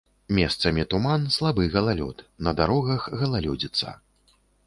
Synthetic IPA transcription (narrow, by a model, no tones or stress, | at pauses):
mʲɛst̪sɐmʲit̪umanslˠabɨɣɐlˠalʲɔ̰t̪nɐd̪aɾɔɣɐxɣɐlˠalʲɔd͡zʲit̪sɐ̰